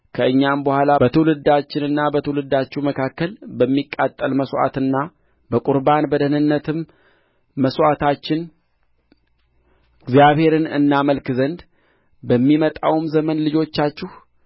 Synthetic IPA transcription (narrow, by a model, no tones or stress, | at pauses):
kʰəɨɲːambəhʷalabət̪ʰəwlɨd̪ːat͡ʃːɪnɨnːabət̪ʰəwlɨd̪ːat͡ʃːɛwməkʰakːəlbəmːikʼːat̪ʼːəlməsʔa̰t̪ɨnːa | bəkʼuɾbanbəd̪ənɨnːət̪ʰɨmː | əsat̪ʰat͡ʃːɪn | ɡzjaβhe̞ɾɨnɨnːaməlkzənd̪ | bəmːimət̪ʼawmzəmənlɨd͡ʒo̞t͡ʃːat͡ʃːɪh